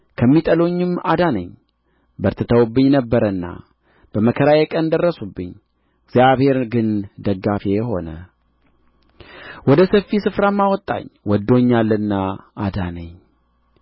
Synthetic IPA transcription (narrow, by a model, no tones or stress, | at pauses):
kʰəmːit̪ʼəloɲːɨma̰d̪anə̰ɲ | bəɾt̪ʰət̪ʰəwubːɨɲːnəbːəɾənːa̰ | b̥əməkʰəɾajekʼənd̪ərːəsubːɨɲː | ɪɡzjaβhe̞ɾɡɨnd̪əɡːafeɦo̞nə | wɔd̪əsəfːisɨfɾamːawɔt̪ʼːa̰ɲːwɔd̪ːo̞ɲːalːənːaad̪anəɲ